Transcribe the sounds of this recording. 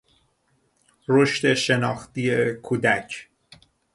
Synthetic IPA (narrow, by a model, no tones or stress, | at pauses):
ɾoʃt̪e̞ʃe̞nɒːxt̪ijekʰuːd̪æcʰ